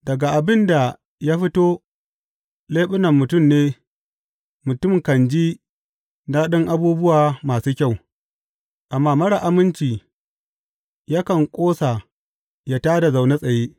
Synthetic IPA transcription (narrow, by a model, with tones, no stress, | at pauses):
dɐ˨ɡa˨ʔa˨bɪ˦nda˨ | ja˦ɸɪ˦toː˦ | leː˦ɓʊ˦nɐ˨mːʊ˨tʊ˦˨mneː˦ | mʊ˨tʊ˦˨mkɐ˨nd͡ʒi˦ | na˦ɗɪ˦ŋʔa˦buː˦bʊ˦waː˨maː˨suː˦kʲa˦˨w | ʔa˨mːaː˦mɐ˦ɽa˨ʔa˦mɪ˦nt͡ʃiː˨ | ja˦kɐ˨ŋkʷʼoː˦sa˨ | ja˦taː˦da˨za˨wne˦sʼɐ˨jeː˦